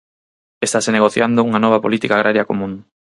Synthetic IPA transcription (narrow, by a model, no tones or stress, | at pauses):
est̪aseneɣ̞oθjand̪ouŋanɔβ̞apolit̪ikaɣ̞ɾʔaɾjakomũŋ